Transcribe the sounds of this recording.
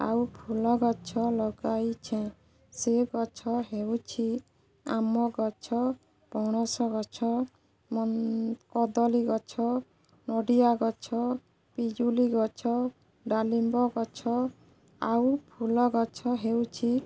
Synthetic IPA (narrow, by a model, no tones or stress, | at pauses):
a̰wpʰulɔɡɔt͡ʃʰɔlɔɡajt͡ʃʰẽ | seɡɔt͡ʃʰɔɦewt͡ʃʰi | a̰mɔɡɔt͡ʃʰɔ | b̥ʱɔɽ̃ɔsɔɡɔt͡ʃʰɔ | mɔkɔd̪ɔliɡɔt͡ʃʰɔ | nɔɖijaɡɔt͡ʃʰɔ | pid͡ʒuliɡɔt͡ʃʰɔ | ɖalimbɔɡɔt͡ʃʰɔ | awpʰulɔɡɔt͡ʃʰɔɦewt͡ʃʰi